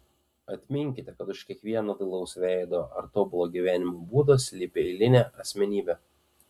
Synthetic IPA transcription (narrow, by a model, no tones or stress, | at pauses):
ɐt̪ʲmʲɪŋʲkʲɪt̪ʲɛkɐt̪ʊʃkʲiɛkʋʲiɛnɐd̪ɐlˠɐʊsʲʋʲɛˑɪd̪oɐ̰ɾt̪oːbʊlˠoːɡʲiːʋʲæːnʲɪmobuːd̪ɐsʲlʲipʲeɪlʲɪnʲæːʔɐsʲmʲɛnʲiːbʲɛ